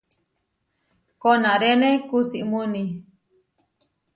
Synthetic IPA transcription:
konaɾenekusiʔmuni

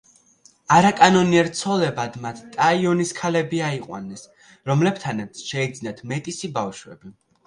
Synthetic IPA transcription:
aɾakʼanɔniɛɾt̪sʰɔlɛbad̪mat̪ʰt̪ʼaiɔniskʰalɛbiaiqʼwa̰nːɛs | ɾɔmlɛbt̪ʰanɛɾt̪sʃɛid̪znat̪ʰmɛt̪ʼisibafʃwɛ̰bi

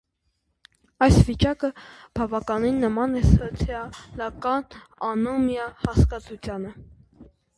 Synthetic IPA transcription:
ɑjsvit͡ʃɑkə | b̥ɑvɑkɑninːəmɑnɛsɔt͡sʰjɑlɑkɑnɑnɔmjɑhɑskɑt͡sʰut͡sʰjɑnə

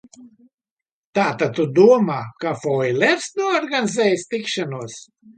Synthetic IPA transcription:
t̪aːt̪ad̪̚t̪ud̪uɔmaːkafɔjlʲɛɾsnuɔɔɾɡanizɛːjst̪ikʃanuɔs

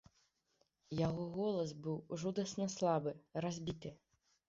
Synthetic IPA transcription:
jaɣɔɣɔlˠɐsbɨwʐud̪ɐsnɐslˠabɨrazʲbʲit̪ɨ

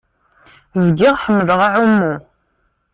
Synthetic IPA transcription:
vɡɪʁħəmːləʁaʕumːu

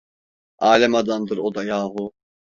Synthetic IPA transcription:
ʔaːlɛmad̪and̪ɯɾod̪ajaːɦu

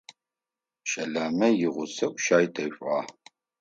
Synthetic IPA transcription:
ʃɐɮaːmɐjɪʁʷʊsɐkʷʼʃaːjtʰɐɕʷʼɑː

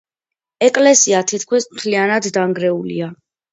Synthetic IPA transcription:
ɛkʼlɛsiat̪ʰit̪ʰkʰwismt̪ʰlianad̪ːaŋɡɾɛulḭa

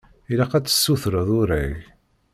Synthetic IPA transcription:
ilæqæt͡sːə̥sːuθɾəðˤʊɾæ̰ʝ

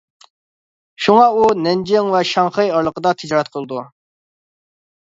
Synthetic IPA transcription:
ʃuŋɑunɛnd͡ʒɪŋvɛʃɑŋχəjɑɾlˠəqəd̪ɑt̪ʰɪd͡ʒɑːɾɛt̪̚qʰəlˠɨd̪u

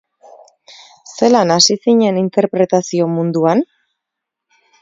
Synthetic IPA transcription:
se̞lanasisiɲe̞nint̪e̞ɾpɾe̞t̪asio̞mund̪uan

